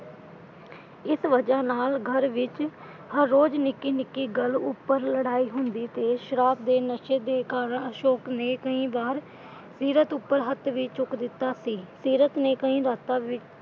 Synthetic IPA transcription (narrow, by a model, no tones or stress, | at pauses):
ɪsʋəd͡ʒaːnaːlɡʱəɾʋɪt͡ʃ | həɾːoːd͡ʒnɪkːiːnɪkːiːɡəlʊpːəɾləɽaːiːɦʊnd̪iːt̪eːʃəɾaːb̚d̪eːnəʃeːd̪eːkaːɾəɳəʃoːkneːkəĩːbaːɾ | siːɾət̪ʊpːəɾɦət̪ʋiːt͡ʃʊkd̪ɪt̪ːaːsiːsiːɾət̪neːkəĩːɾaːt̪aːʋɪt͡ʃ